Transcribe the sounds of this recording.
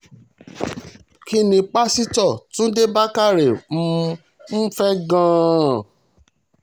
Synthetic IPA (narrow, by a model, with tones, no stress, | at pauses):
ki˦nĩ˧k͡pa˦si˦tɔ˦˨tũ˦de˦ba˦ka˦˨ɾe˨m̩˦ | n̩˦fɛ˦ɡãː˦